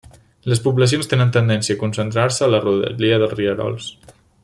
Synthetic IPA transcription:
ləspupləsijonst̪enənt̪ənd̪ɛnsiəːkunsənt̪ɾaɾsəːləruðə̰ʎiəðəlˠzriəɾɔ̰lˠs

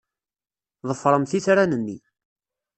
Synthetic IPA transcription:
ðˤəfːɾˤəmθiθɾanənːi

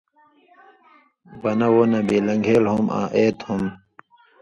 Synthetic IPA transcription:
bɐnɐwonɐ̃biːlɐŋɡʱeːlɦomã̰ːʔeːt̪hum

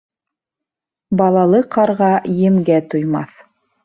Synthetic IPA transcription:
bɑlˠɑlˠɤqʰɑɾʁɑjɘ̆mɡæt̪ŏjmɑθ

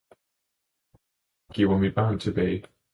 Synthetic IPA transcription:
kiwəmibãʊ̃ntʰəbi

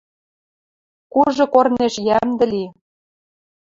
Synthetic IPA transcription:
kuʒɤ̆korneʃjæmd̪ɘ̆li

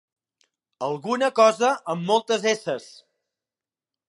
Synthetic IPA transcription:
əlˠɣunəkɔzəəmːɔlˠt̪əzesəs

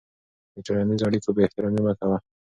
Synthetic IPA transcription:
itoɾanizoɑɽikobeːht̪ɪɾɔmimakawa

